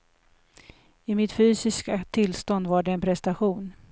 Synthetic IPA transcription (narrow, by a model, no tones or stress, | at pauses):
ɪmɪt̪fyːsɪskat̪ʰɪlst̪ɔnd̪vaɖɛːnpʰɾɛst̪aɧuːn